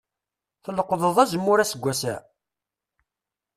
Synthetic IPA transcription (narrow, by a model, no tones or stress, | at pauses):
θələqːðˤəðˤæzəmːʊɾæsəɡʷːæsæ̰